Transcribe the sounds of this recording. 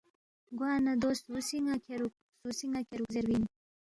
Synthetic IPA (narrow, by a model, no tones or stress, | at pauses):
ɡwaːnɐd̪oːst̪usiŋakʰeɾuk | susiŋakeɾukzeɾwin